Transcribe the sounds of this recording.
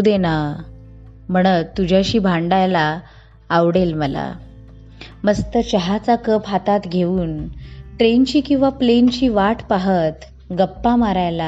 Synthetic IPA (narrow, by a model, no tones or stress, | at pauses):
d̪ena | m̤əɽ̃ət̪ːud͡ʑʱaɕiːbʱaɳɖajlaː | ʋɽelməla̰ | məst̪ət͡ɕəɦat͡sakəpɦat̪at̪ɡʱeʋuːnʈɾent͡ɕiːkĩw̃ʋaplent͡ɕiːʋaʈʰpaɦət̪ | ɡəpːamaɾajla